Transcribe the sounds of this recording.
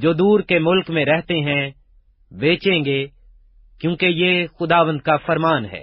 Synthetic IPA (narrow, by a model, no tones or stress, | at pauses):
d͡ʒoːd̪uːɾkemʊlkmẽɾɛɦt̪eɦɛ̃ | beːt͡ʃẽːŋɡe | kjõːkejeːxʊd̪aːʋə̃nd̪̚kafɐɾmaːnɦɛ̰ː